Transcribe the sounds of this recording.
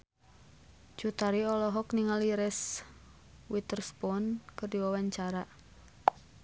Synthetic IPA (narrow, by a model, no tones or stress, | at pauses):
d͡ʒ̥ut̪aɾiɔlɔɦɔkniŋaliɾɛs | wit̪ərspɔnkərdiwawaɲt͡ʃaɾaʔ